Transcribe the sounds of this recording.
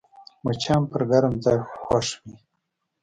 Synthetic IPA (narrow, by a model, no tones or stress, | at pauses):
mat͡ʃʰampəɾɡaɾamt̪axwaʂwi